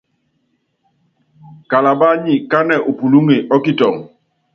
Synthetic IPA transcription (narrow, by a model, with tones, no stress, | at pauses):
ka˨la˨ba˦ɲi˨ka˦nɛ˦˨ʔo˨pu˨lu˦ŋe˨ʔɔ˦ki˦tɔ˨ŋ